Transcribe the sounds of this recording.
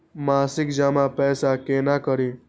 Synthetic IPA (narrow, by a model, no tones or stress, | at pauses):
masɪkd͡ʒamapɛːsakenakəɾĩ